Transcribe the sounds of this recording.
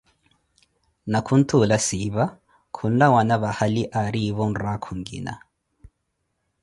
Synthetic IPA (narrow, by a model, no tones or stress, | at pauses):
nakʰun̩tʰulasiβa | kʰun̩lawanaβahaliʔaɾiβɔn̩ɾakʰuŋɡḭna̰